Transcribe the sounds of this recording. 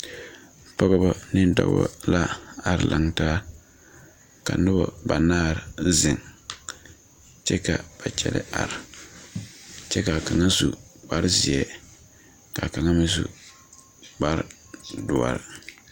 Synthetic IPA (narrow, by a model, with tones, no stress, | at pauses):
pɔ˦ɣɔ˦bɔ˦nɪ˦n˦dɔ̰˨ɡɔ̰˦la˦a˨ɾla˨ŋtaː˦ | ka̰˨nʊ˦bɔ˨ba˨naː˦˨ɾzɪ˨ŋ | t͡ʃɛ˦ka˨b̥a˨t͡ʃɛ̰˦lɪ̰˦ʔa̰˨ɾ | t͡ʃɛ˦ka˨ka˨ŋa˦zu˨ɡ͡ba˦ɾzi˨ɛ˨ | ka˨ka˨ŋa˦mɪ˦zṵ˨ | ɡ͡ba˦ɾ | dʊ˨a̰˨ɾ